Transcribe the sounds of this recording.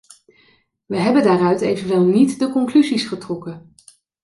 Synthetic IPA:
ʋəɦɛbəndaːrœɥtejvənʋɪlˠnitdəkɔŋklyzisχətrɔkə

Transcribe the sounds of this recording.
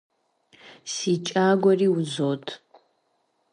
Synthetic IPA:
siːt͡ʃʼaːɡʷɔriːwzoːtʰ

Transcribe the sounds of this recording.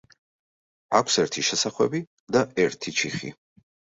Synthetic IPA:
akʷʰsɛɾt̪ʰiʃɛsaχwɛbi | d̪aɛɾt̪ʰit͡ʃʰiχḭ

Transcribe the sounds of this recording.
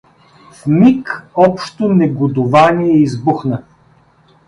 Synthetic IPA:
fmikɔpʃt̪onɛɡod̪ʊvaniɛizbuxnə

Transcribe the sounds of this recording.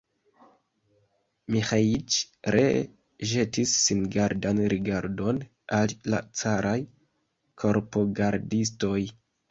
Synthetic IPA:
mixait͡ʃ | ɾḛ | ʒe̞tisːinɡaɾdanɾiɡaɾdo̞n | alla̰t͡saɾʔaj | kʰo̞ɾpo̞ɡaɾdis̬to̞j

